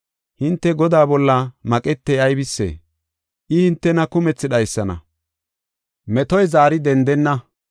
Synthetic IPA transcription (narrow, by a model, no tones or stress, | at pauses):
hɪnt̪ːɛɡɔd̪aːbɔlːɐmɐkʼɛt̪ːɛjɐjbɪsːḛː | ʔɪhɪnt̪ːɛnɐkʊmɛt͡sːɪɗɐjsːɐnɐ̰ | mɛt̪ɔjzaːɾɪd̪ɛnd̪ɛnːɐ